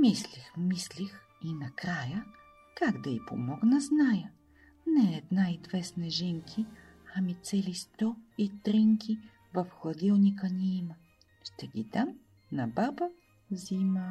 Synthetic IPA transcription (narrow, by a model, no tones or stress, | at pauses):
mislixmislix | inɐkɾajə | kaɡd̪ɐipomɔɡnɐznajə | nɛːd̪naizvɛsnɛʒɛŋkʰi | ɐmit̪sɛlist̪ɔit̪ɾiŋkʰʲi | vɐfxlˠɐd̪ʲilˠnʲikəniimə | ʃt̪ɛɡʲid̪am | nɐbabə | zimə